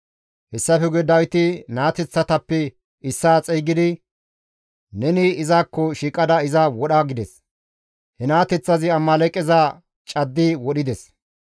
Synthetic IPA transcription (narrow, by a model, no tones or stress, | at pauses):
hɛsːɐfɛɡɛd̪ɐjt̪ɪnaːt̪ɛt͡sːɐt̪ɐpːɛ | ɪsːaːt͡sʼɛjɡɪd̪ɪ | nɛnɪːzaːkːɔʃiːkʼɐd̪ɐɪzɐwɔɗaɡɪd̪ɛs | hɛnaːt̪ɛt͡sːɐzɪɐmːɐlɛkʼːɛza | t͡ʃʼɐd̪ːɪwɔɗɪd̪ɛs